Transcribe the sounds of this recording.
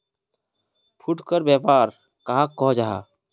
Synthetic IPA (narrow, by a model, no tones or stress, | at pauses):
pʰuʈkəɾbjɛːpaːɾ | kaɦãkɔɦd͡ʒaːɦa̰ː